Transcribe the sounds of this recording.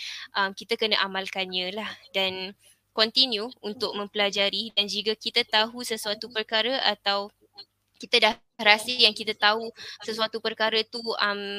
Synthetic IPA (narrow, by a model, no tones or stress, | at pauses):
ʔamkit̪akənaʔamalkanɲãlahdan | kɔnt̪injuunt̪ʊk̚mə̃mpəlad͡ʒaɾidand͡ʒikakit̪at̪aɦusəsuat̪upərkaɾəʔat̪aw | kit̪adah | ɾasijaŋkit̪at̪aɦusəsuat̪upərkaɾət̪uam